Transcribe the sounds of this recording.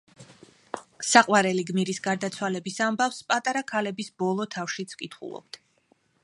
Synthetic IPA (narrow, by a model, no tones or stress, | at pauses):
saqʼwaɾɛliɡmiɾisɡaɾd̪at̪sʰwalɛbisambafspʼat̪ʼaɾakʰalɛbisbɔlˠɔt̪ʰafʃit̪sʰkʼit̪ʰχṵlˠɔ̰b̥̚t̪ʰ